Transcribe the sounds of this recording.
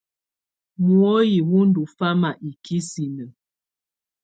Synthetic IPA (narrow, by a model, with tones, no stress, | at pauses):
mwo˦ji˨wu˦n̩˦˨du˨fa˦ma˨ʔi˨kʰi˦si˨nə˨